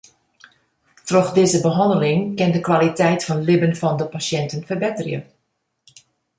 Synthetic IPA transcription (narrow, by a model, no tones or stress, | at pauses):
trɔχdɪːzəbəɦɑndəlɪŋkɪndəkʋalitɛjtfɑnlɪbənfɑndəpasjɛntənfərbɪtərjə̰